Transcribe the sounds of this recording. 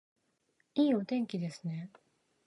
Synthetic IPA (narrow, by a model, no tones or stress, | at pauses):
iːot̪ẽ̞ŋkʲid̪e̞sɨne̞